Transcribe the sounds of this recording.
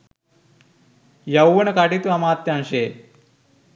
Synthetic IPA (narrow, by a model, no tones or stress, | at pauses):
jawːənəkaʈit̪uamaːt̪janɕe